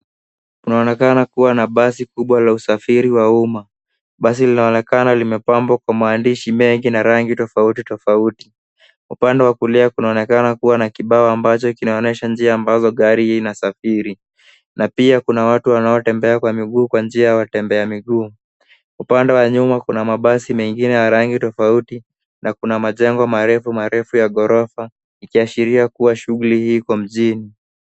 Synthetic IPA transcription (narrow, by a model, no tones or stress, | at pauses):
kunaɔnɛkanakuwanaɓasikuɓwalausafiɾiwauma | ɓas̬ilinaɔnɛkanalimɛpambɔkwamaːndiʃimɛŋɡinaɾaŋɡitɔfautitɔfauti | upandɛwakuliakunaɔnɛkanakuwanakiɓaɔambat͡ʃɔkinaɔnɛʃand͡ʒiaːmbazɔɠaɾiinasafiɾi | napiakunawatuwanaɔtɛmbɛakwamiɠuːkwand͡ʒiajawatɛmbɛamiɠuː | upandɛwaɲumakunamaɓasimɛŋɡinɛjaɾaŋɡitɔfauti | nʔakunamaʄɛŋɡɔmaɾɛfumaɾɛfujaɠɔɾɔfa | ikiaʃiɾiakuwaʃuɣulihiːkɔm̩ʄini